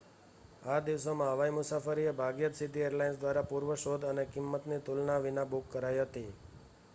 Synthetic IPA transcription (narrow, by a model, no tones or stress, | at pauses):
ad̪iʋsomãɦəʋaimʊsafəɾiebʱaɡjət̪sid̪ʱieɾlainsd̪ʋaɾapuɾʋəʃod̪ənekɪmːət̪nit̪ulnaʋɪnabukːəɾajɦət̪i